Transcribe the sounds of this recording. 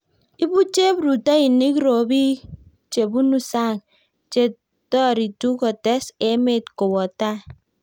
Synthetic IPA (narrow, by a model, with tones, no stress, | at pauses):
i˦bu˦t͡ʃe˦bɾu˨ta˦i˨ni˦kɾo˨bi˦ | t͡ʃe˨bu˦nu˦sa˦˨ŋ | t͡ʃe˦ | tɔ˦˨ɾi˨tu˦kɔ˨te˦se˦me˦˨tko˨wɔ˨ta˦